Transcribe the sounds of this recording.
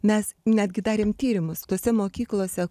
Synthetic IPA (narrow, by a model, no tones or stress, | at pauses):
mʲɛsnʲæːd̪ʲɡʲɪd̪ɑːɾʲeːmt̪ʲiːɾʲɪmʊst̪oːsʲɛmoːkʲiːklˠoːsʲɛ